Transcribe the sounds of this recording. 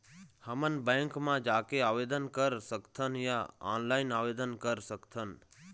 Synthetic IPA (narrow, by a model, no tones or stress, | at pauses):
həmənbə̃ŋkmãd͡ʒaːkeaːʋed̪ənkəɾsəkt̪ʰənjãa̰ːnlainaʋed̪ənkəɾsəkt̪ʰən